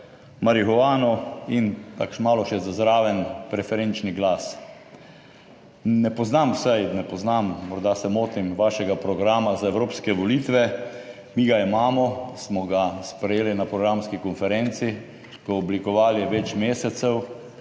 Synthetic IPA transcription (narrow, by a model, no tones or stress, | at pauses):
maɾixɔʋaːnɔint̪a̰kʃmaːlɔʃɛzazɾaːʋɛnpɾɛfɛɾent͡ʃniɡlaːs | nɛpɔznamwsɛjnɛpɔznamːɔɾd̪asɛmoːt̪imʋaːʃɛɡapɾɔɡɾaːmazaewɾoːpskɛʋɔliːt̪ʋɛ | miɡaimaːmɔsmɔɡaspɾɛjeːlinapɾɔɡɾamskikɔnfɛɾent̪si | kɔɔblikɔʋaːliʋɛt͡ʃmeːsɛt̪sɛw